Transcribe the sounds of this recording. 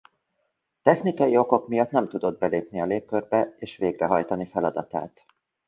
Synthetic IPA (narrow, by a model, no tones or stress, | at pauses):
t̪ɛxnikɒjio̞ko̞kmijɒt̪nɛmt̪ud̪o̞d̪̚bɛleːpniɒleːkkːørbɛeːʃʋeːɡrɛɦɒjt̪ɒnifɛlɒd̪ɒt̪a̰ːt̪